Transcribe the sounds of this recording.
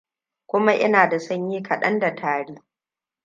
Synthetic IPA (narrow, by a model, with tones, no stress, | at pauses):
kʷʊ˦ma˦ʔɪ̰˦naː˨da˨sɐ˦ɲjiː˦kʰɐ˨ɗɐ̰˦nda˨tʰaː˨ɽiː˦